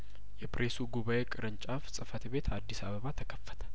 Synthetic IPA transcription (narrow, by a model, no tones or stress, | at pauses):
jɛpɾesuɡuβaʔe̞kʼɨɾɨnt͡ʃʼafsʼɨfət̪be̞t̪ʰad̪ːisa̰βəβat̪ʰəkʰəfːə̥t̪ʰə̥